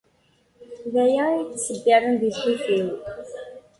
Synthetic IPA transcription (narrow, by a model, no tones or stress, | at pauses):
ðæjæit͡ssəbːiɾˤənðisufiw